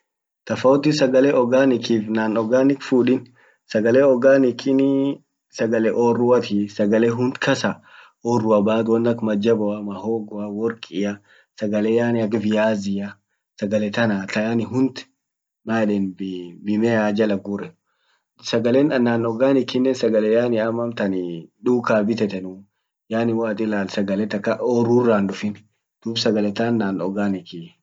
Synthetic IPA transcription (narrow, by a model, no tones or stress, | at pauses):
t̪ɐfɐɔt̪ɪsɐɡɐlɛʔɔɡaːnɪkiːfnaːnɔɡaːnɪkfuːᶑɪn | sɐɡɐleːɔɡaːnɪkʰɪn | sɐɡɐlɛʔoːrːʊwɐt̪ʰisɐɡɐleɦʊnt̪kʰɐsa | ɔːrʊɐbaːt̪wɔnːɐkmɐd͡ʒɐbɔɐmɐhoːɡɔɐwɔɾkʼɪja | sɐɡɐleːjaːnɪɐɡbɪjaːzɪjɐ | sɐɡɐlɛt̪ɐnaːt̪ɐjanɪɦʊnd̪ | maːɗɛnbbɪmɛaːd͡ʒɐlɐɡuɾɛ | sɐɡɐleːnɐnːaːnːɔɡaːnɪkɪnːɛnsɐɡɐlɛjaːnɪɐmːɐmt̪ɐniᶑuːkaːbɪt̪ɛt̪ɛnu | jaːnɪwaːt̪ʼɪlaːlsɐɡɐlɛt̪ːɐkːɐɔrurːaːnᶑʊfɪn | d̪̥uːbsɐɡɐlɛt̪anːaːnɔɡaːnɪki